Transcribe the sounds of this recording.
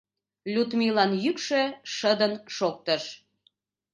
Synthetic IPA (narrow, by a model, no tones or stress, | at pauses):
lʲut̪milɑnjykʃøʃəd̪ənʃok̚t̪əʃ